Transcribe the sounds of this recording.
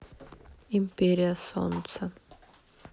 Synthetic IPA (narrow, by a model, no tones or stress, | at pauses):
impeɾiɐsɔ̰nsɐ